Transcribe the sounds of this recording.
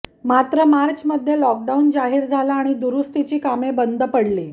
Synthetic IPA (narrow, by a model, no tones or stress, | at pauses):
mat̪ɾəmaɾt͡ɕməd̪ʱːjelɔk̚ɖaund͡zaɦiːɾd͡zʱalaːɽ̃id̪uɾust̪it͡ɕiːkamebənd̪ʱəpəɽliː